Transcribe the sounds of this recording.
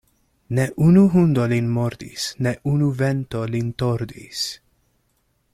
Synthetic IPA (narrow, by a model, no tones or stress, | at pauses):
neʔunuɦundolinmoɾd̪isneʔunuventolintoɾd̪ḭs